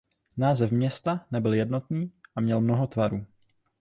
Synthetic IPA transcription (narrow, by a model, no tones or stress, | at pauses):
naːzɛfmɲɛst̪anɛbɪljɛdno̞t̪niːʔamɲɛlmno̞ɦo̞t̪vaɾuː